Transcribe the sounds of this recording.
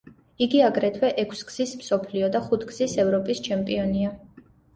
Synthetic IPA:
iɡiaɡɾɛt̪ʰwɛʔɛkʰsɡz̥ismsɔpʰliɔd̪aχut̪ʰɡz̥isɛvɾɔpʼist͡ʃʰɛmpʼiɔnia

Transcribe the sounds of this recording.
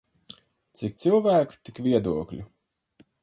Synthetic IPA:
t̪sik̚t̪silˠvæːku̥t̪ikvʲiɛd̪uɔklʲṵ

